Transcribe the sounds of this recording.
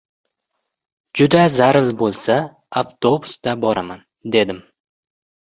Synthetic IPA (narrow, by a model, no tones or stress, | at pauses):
d͡ʒʊd̪azaɾɪlbolˠsa | aft̪ʰo̞bʊsd̪abɒɾaman | d̪e̞d̪ɪm